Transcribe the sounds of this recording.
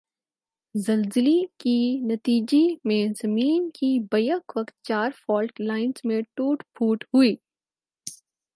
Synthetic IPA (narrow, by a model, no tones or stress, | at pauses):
zɐlzɪlikinɐt̪iːd͡ʒemẽzɐmiːnkibɐjəkʋɐkt̪̚t͡ʃaːɾfɔːlklaːɪnzmẽʈuːʈpʰuːʈɦʊiː